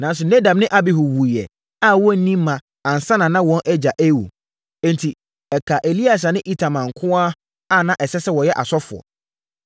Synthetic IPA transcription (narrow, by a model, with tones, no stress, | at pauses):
nã˨n˦s̬ʊ˨nɛ˦da˨mnɪ̃˦ʔa˦bɪ˦ɦʊ˨wu˨i˨jɛ̰˨ | a˦˨wɔ̃˦n̩˦nĩ˦mː˦ã˨ | ã˨n̩˨sã˦nã˨nã˦wɔ̃˦nʔɛ˦d͡ʑa˨ʔe˦˨wṵ˨ | ɛ̃˦n˨tʰi˨ | ɛ˨kʰa˨ʔe˨li˦a˨s̬a˨nɪ̃˦ʔi˦tʰa˨mã˨ŋ̩˨kʰʊ̃˦a˦ | a˦˨nã˦ʔɛ˨sɛ˦sɛ˦wɔ˨jɛ˦ʔa˨sɔ˦fʊ˨ɔ̰˨